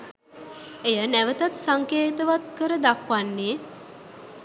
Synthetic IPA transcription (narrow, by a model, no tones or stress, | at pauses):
ejənæʋət̪at̪saŋkeːt̪əʋat̪̚kəɾəd̪akʋanːeː